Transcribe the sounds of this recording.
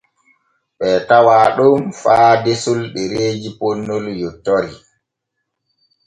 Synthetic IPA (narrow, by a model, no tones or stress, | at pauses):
ɓɛtawaːɗɔmfaːdesulɗɛɾeːd͡ʒipɔnːɔljɔtːɔɾi